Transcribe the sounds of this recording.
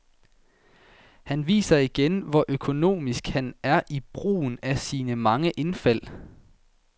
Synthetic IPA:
hænʋḭːsɐiɡ̥enʋɒʔøkʰo̝no̝̰ːmisɡ̥hænæɐʔib̥ʁṵːn̩æsiːnəmɑ̈ŋəʔe̝nfæl̰

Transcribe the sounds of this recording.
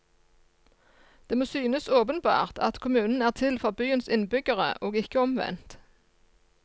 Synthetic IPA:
d̪̥eːmoːsyːnəsoːpənbɑ̰ːʁt̪ɑt̪kʰʊmʉːnn̩æːʁt̪ʰɪlfɔʁbyːənsɪnbʏɡəʁə̰ʔoːɡɪkəɔmʋɛ̰nt̪

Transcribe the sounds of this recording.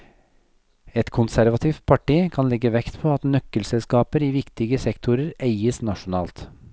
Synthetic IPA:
ɛt̪kʰʊnsæɾʋɑt̪ʰɪːft̪̚pʰɑʈiːkʰɑnlɛɡːəʋɛkt̪pʰoːɑt̪nœkːəlsɛlskɑːpəɾiːʋɪkt̪ɪɡəsɛkt̪ʰʊɾəɾeɪəsnɑʂʊnɑːlt̪

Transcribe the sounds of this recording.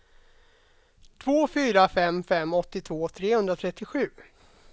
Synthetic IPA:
t̪ʰvoːfyːɾafɛmfɛmːɔt̪ːɪt̪ʰvoːt̪ʰɾeːhɵnd̪ɾat̪ʰɾɛt̪ːɪɧʉ̟ː

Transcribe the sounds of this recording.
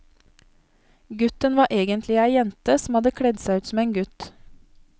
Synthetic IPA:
ɡʉt̪ənʋɑːʔeːɡənt̪ʰlɪæɪjɛnt̪əsm̩hɑd̪əkʰɽɛd̪sæʉːt̪sm̩eːnɡʉt̪

